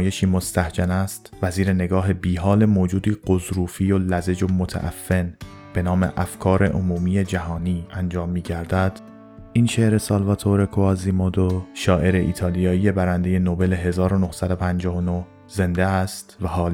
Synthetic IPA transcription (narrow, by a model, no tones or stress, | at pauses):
je̞ʃiːmo̞st̪æhd͡ʒænæst̪væziːɾe̞ne̞ɡɒːɦe̞biːɦɒːle̞moːd͡ʒuːd̪iːɢ̥ozɾuːfiːjolæze̞d͡ʒomot̪ʰæ̰ʔæ̰fːe̞n | b̥e̞nɒːme̞̰ʔæfkʰɒːɾe̞̰ʔomuːmije̞d͡ʒæɦɒːniːænd͡ʒɒːmːiːɟæɾd̪æd̪̥ | ʔinʃeʔɾe̞sɒːlvɒːt̪ʰoɾe̞kʰoɒːzimod̪oʃɒːʔe̞ɾeʔḭːt̪ʰɒːlijɒːije̞bæɾænd̪e̞je̞nobe̞le̞ɦe̞zɒːɾo̞no̞hsæd̪o̞pʰænd͡ʒɒːhono̞ | ze̞nd̪eæst̪væɦɒːl